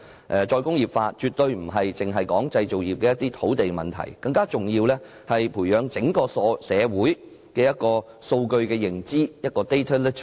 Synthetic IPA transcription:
ʔɛ˨t͡ʃɔː˧jkʊ˥ŋjiː˨p̚faː˧t͡ʃyː˨t̪̚ɵ˧ɥm̩˨˩ɦɐ˨jt͡sɪ˨ŋɦɐ˨jkɔː˨˥ŋt͡sɐ˧jt͡so˨wjiː˨˩p̚kɛː˧jɐ˥t̪iː˥t̪ʰo˨˥wt̪e˨jkmɐ˨nt̪ʰɐ̰˨˩jkɐ˧ŋkaː˥t͡sʊ˨ŋjiː˧wlɛː˥ | hɐ˨jpʰuː˨˩jœː˨˧ŋt͡sɪ˨˥ŋkɔː˧sɔː˨˧˥sɛː˨˧wuː˨˥j | kɛː˧jɐ˥t̚kɔː˧ | so˧wkɵ˧ɥkɛː˧jɪ˨˩ŋt͡siː˥jɐ˥t̚kɔː˧t̪e˥jt̪ʰɐ˥lɪ˥tʰ

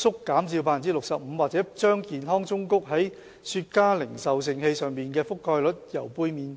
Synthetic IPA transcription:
sʊ˥kːaː˨˥msiː˧wp̬aː˥fi˨˩t͡siː˥lʊ˨k̚sɐ˨p̚m̩˨˧waː˨˩t͡sɛː˨˥t͡ʃœː˥ŋkiː˨nɦɔː˥ŋt͡sʊ˥ŋkʊ˥k̚ɦɐ˨˥j | syː˧t̚kaː˥lɪ˨˩ŋsɐ˨ws̬ɪ˧ŋhe˧jsœː˨ŋmiː˨nkɛː˧fʊ˥kʰːɔː˧jlɵ˨˥t̚jɐ˨˩wpuː˧˥jmiː˨˧n

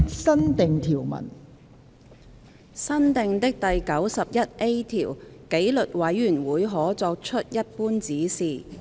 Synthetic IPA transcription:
sɐ˥nt̪ɪ˨ŋt̪ʰiː˨˩wmɐ̰˨˩n | sɐ˥nt̪ɪ˨˧ŋt̪ɪ˥k̚t̪ɐ˨jkɐ˨˥wsɐ˨p̚jɐ˥t̚ʔe˥jt̪ʰiː˨˩wke˨˥jlɵ˨t̚wɐ˨˥jːyː˨˩nwuː˨˥jɦɔː˨˥t͡sɔː˧k̚t͡ʃʰɵ˥t̚jɐ˥t̚puː˥nt͡siː˨˥siː˨

